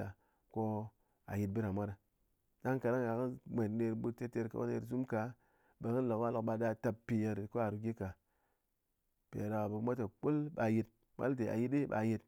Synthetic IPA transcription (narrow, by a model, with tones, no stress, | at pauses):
a˨ | ko˧ | a̰˨ji˨t̚bɨ˦ɾa˨mʷa˦ɾa˨ | da˦ŋka˨da˦ŋa˨ki˦mʷe˨tne˧ɾbu˦te˦te˧ɾka̰˨wa̰˦nḛ˧˨ɾzu˦mka˨ | be˨kɨ˦lo˨kwa˦lo˨kɓa˧da˧ta˧ppːi˨je˨ɾko˦a˨ɾu˨˧ɡʲi˦ka˨ | pḛ˨je˨ɾa˨a˨bu˨˦mʷa˦ta˨k͡po˦lɓa˨ji˧t̚ | ma̰˦lte˨a̰˨ji˦ti˦ɓa̰˨ji˧t